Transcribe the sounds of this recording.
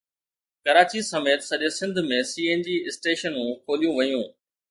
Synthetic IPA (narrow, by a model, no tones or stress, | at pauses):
kɐɾaːt͡ɕisɐmeːt̪sɐʄesɪ̃nd̪ʱmẽsiːeːnd͡ʑiːɪsʈeːʃənũkʰoːlijũʋɐjũː